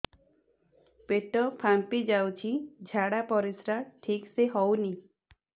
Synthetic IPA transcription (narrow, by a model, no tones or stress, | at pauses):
peʈɔpʰampid͡ʒawt͡ʃʰid͡ʒʱaɽapɔɾisɾaʈʰikseɦɔwni